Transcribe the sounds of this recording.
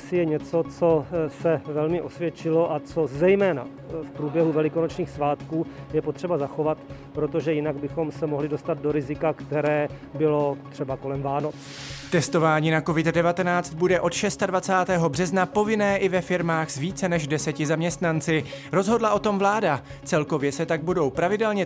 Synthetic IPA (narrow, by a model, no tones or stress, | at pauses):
sɪjɛɲɛt͡so̞t͡sosɛvɛlmɪʔo̞svjɛt͡ʃɪloʔat͡sozɛjmɛːna̰ | fpɾuːbjɛɦuvɛlɪkonot͡ʃɲiːxsvaːt̪kuːjɛpot̪r̝̥ɛbazaxovat̪pɾot̪oʒɛjɪnaɡbɪxo̞msɛmoɦlɪdo̞st̪ad̪̚doɾɪzɪkakt̪ɛɾɛː | bɪlo̞t̪r̝̥ɛbako̞lɛmvaːnot͡s | t̪ɛst̪o̞vaːɲiːnako̞vɪd̪dɛvat̪ɛnaːt͡st̪̚budɛʔo̞t̪ʃɛst̪advat͡saːt̪ɛːɦo̞br̝ɛznapo̞vɪnɛːʔɪvɛfɪɾmaːxz̥viːt͡sɛnɛʒdɛsɛcɪzamɲɛst̪nant͡sɪ | ɾo̞zɦo̞dlaʔo̞t̪o̞mvlaːda | t͡sɛlko̞vjɛsɛt̪aɡ̚budo̞wpɾavɪdɛlɲɛ